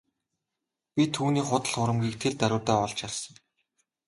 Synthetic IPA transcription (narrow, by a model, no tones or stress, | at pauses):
pʲit̪ʰuːniːχʊt̪ə̆ɮχʊɾə̆mɡʲiːk̚t̪ʰeɮt̪æɾʲʊːt̪æːɔɮt͡ɕarsə̆ŋ